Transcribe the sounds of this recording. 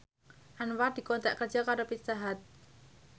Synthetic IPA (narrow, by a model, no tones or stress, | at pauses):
ʔanwad̪̥i̤kɔnt̪aʔkərd͡ʒakaɾopist̪aɦat̪̚